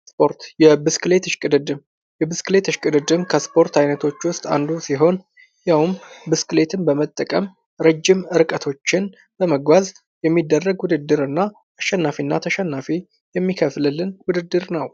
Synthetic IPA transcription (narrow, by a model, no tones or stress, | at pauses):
spʰo̞ɾt̪jɛbɨskɨle̞t̪ɨʃkʼɨd̪ɨd̪ɨm | jɛbɨskɨle̞t̪ɨʃkʼɨd̪ɨd̪ɨmkʰəspʰo̞ɾt̪ʰajnət̪ʰo̞t͡ʃːwʊst̪ʼa̰nd̪usiɦo̞n | jawmbɨskɨle̞t̪ʰɨnbəmət̪ʼːəkʼəm | ɾəd͡ʒːɪmɨɾkʼət̪ʰo̞t͡ʃːɪn | b̥əməɡʷaz | jɛmːid̪ːərːəɡwʊd̪ɨd̪ːɨɾɨnːaː | ʃːɛnːafinːat̪ʰəʃɛnːafi | jɛmːikʰəflɨlːɨnwʊd̪ɨd̪ːɨɾnəw